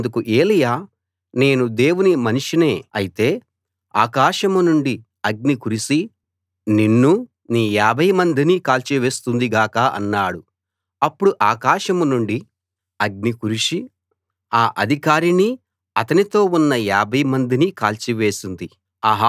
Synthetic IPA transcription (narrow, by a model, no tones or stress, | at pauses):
nd̪ukuʔeːlɐjaː | ne̞ːnud̪e̞ːwunimɐniʂine̞ːɐjit̪e̞ː | a̰ːkaːʂɐmunuɳɖi | ɐɡ̚nikuɾisi | ninːu | niːjaːbʱɐjmɐnd̪inikaːlt͡ʃiʋe̞ːst̪und̪iɡaːkɐɐ̰nːaːɽu | ɐpːuɽuʔaːkaːʃɐmunuɳɖi | ɐɡ̚nikuɾiʂi | aːʔɐd̪ʱikaːɾini | ɐt̪ɐnit̪o̞ːunːɐjaːbʱɐjmɐnd̪inikaːlt͡ʃiʋe̞ːsind̪i | ɐɦ